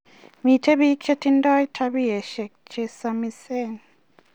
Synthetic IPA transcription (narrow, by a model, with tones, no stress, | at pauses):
mi˨tʰe˦bi˦kʰe˦tʰi˦ndɔ˦jtʰa˧bi˦ɛ˨ʃɛ˨k̚t͡ʃe˦sa˧misɛ˦n